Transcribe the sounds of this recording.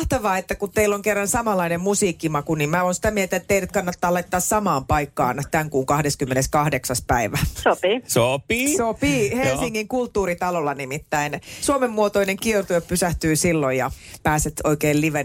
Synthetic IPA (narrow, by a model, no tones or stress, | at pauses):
ht̪ɑʋɑːet̪ːækut̪t̪eilːoŋkerːɑnsɑmɑlːˑɑinemmusiːkːimɑkunimmæoːnsi̥t̪æmielt̪æet̪t̪eiɾæt̪kɑnːɑt̪ːɑːlɑit̪ːɑːssɑmɑːmpɑikːɑ̰ːnt̪æŋkuːŋkɑhdeskymːeneskɑhdeksɑspæiʋæsopisopisopihelsiŋːiŋkult̪ːuːɾit̪ɑlolːɑnimit̪ːæinsuomemːuot̪oineŋkiert̪ueppysæht̪yːsilːojjɑpæːset̪oikeːlliʋen